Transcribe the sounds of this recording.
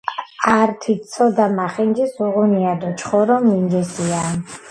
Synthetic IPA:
aɾt̪ʰisʰɔd̪amaχind͡ʒisuʁuniad̪ɔt͡ʃʰʼχɔɾɔmind͡ʒɛsia

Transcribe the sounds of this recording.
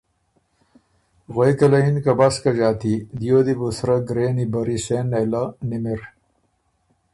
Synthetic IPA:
ɣojkɐlɐinkɐbaskɐd͡ʑaːt̪id̪ijoːd̪ibusɾɐɡɾeːnibɐɾiseːnelɐnimiɾ

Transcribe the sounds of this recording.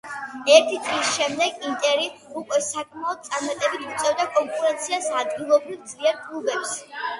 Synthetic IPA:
ɛɾt̪ʰit̪ʼlisʃɛmd̪ɛɡint̪ʼɛɾiukʼwɛsakʼmaɔd̪t̪̚t̪sʼaɾmat̪ʼɛbit̪ʰit̪sʼɛvd̪akʼɔŋkʼuɾɛnt̪sʰiasad̪ɡilˠɔbɾivd̪zliɛɾɡlˠubɛps

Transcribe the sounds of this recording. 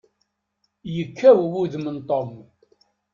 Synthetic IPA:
jəkːæwwuðmənt̪ˤom

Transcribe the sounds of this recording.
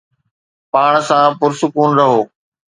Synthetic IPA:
paːɽ̃sãpʊɾsʊkuːnɾɐɦoː

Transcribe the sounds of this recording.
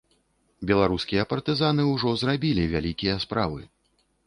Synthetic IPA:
bʲɛlˠaɾuskʲijɐpɐrt̪ɨzanɨwʐɔzrabʲilʲivʲalʲikʲijɐspɾavɨ̰

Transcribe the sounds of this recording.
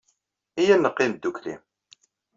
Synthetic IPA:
ijænːəqːɪmd̪ːuklḭm

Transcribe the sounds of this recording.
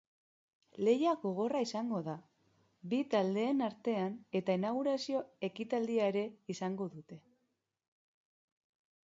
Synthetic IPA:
le̞jaɣo̞ɣ̞o̞raisaŋɡo̞ða | bit̪ald̪e̞ːnaɾt̪e̞ane̞t̪ainaɣ̞uɾasio̞e̞kit̪ald̪iaeɾe̞isaŋɡo̞ðut̪e̞

